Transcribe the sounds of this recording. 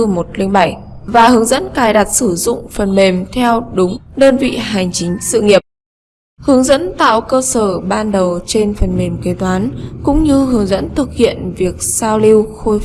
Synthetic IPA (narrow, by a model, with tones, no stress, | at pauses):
mo˨˩t̚lï˧ŋɓa˧˩jvaː˨˩hɨ˨˦əŋzə̰˧˥nkaː˨˦jɗa˨˩t̚sɨ˧˩zʊ̰˧˨ŋ͡mfə˨˩nme˨˩mt̪ʰɛ˧wɗʊ˨˦ŋ͡mɗəː˧nvḭ˧˨ɦa˨˩jŋ̟t͡ɕï˨˦ŋ̟sɨ̰˧˨ŋi˨˩əp̚ | hɨ˨˦əŋzə̰˧˥nt̪a̰ː˧˨wkəː˧səː˧˩ɓaː˧nɗə˨˩wt͡ɕe˧nfə˨˩nme˨˩mke˨˦t̪waː˨˦nkʊ̰˧˥ŋ͡mɲɨ˧ɦɨ˨˦əŋzə̰˧˥nt̪ʰɨ˨˩k̚hḭ˧˨ənvi˨˩ək̚saː˧wli˧wxo˧j